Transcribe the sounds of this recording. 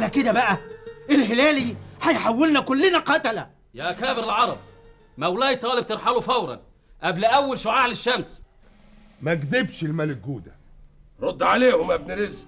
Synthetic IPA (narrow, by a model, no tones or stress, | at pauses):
ʔlæked̪æbæʔæʔelɦɪlæːliħæjħawːelnækʊlːɪnæqɑt̪ælæ | jæʔkæːbɪɾɪlʕɑɾˤɑb̚ | mæwlæːjt̪ˤːɑːlɪb̚t̪eɾˤħalufæwɾˤɑ̰n | ʔæblʔæwːælʃʊʕaːʕlɪʃːæms | mæɡd̪ɪbʃɪlmælɪk̚ɡuːd̪æɾˤod̪ːʕaleːhʊmæbnɪɾɪz